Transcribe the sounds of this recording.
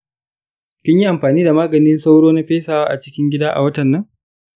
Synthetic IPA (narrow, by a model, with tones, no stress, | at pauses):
kʲɪ˦ɲji˦ʔa˨mɸaː˨niː˦da˨maː˦ɡɐ˨nɪ˦nsa˦wɽoː˦na˦ɸeː˦saː˨waː˦ʔa˨t͡ʃɪ˦kʲɪ˦ŋɡʲɪ˦daː˦ʔa̰˨wɐ˦tɐ˨nːɐ˦ŋ